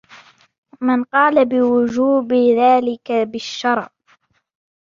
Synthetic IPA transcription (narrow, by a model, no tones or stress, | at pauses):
mɪnqɑːlabɪwʊd͡ʒuːbɪðaːlɪkabɪʃːɑɾˤʕ